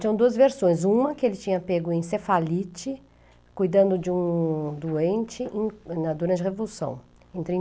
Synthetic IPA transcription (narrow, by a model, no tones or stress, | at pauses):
t͡ʃĩɲɐ̃d̪uɐzveɾsõj̃zũmɐkɪelɪt͡ʃĩɲɐpeɡʊẽj̃sefalit͡ʃɪ | kujd̪ɐ̃nd̪ʊd͡ʒɪũd̪uẽnt͡ʃɪʔẽnɐd̪uɾnɐd͡ʒɪhevolusɐ̰̃w̃ | ẽt̪ɾĩ